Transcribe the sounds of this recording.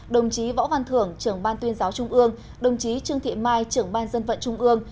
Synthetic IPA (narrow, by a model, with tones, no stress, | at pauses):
ɗə˨˩wŋ͡mt͡ɕi˨˦vɔ̰˧˥va˧˩nt̪ʰɨ˧˩əŋt͡ɕɨ˧˩əŋɓaː˧nt̪wi˧ənzaː˨˦wt͡ɕʊ˧ŋ͡mʔɨ˧əŋ | ɗə˨˩wŋ͡mt͡ɕi˨˦t͡ɕɨ˧əŋt̪ʰḭ˧˨maː˧jt͡ɕɨ˧˩əŋɓaː˧nzə˧nvə̰˧˨nt͡ɕʊ˧ŋ͡mʔɨ˧əŋ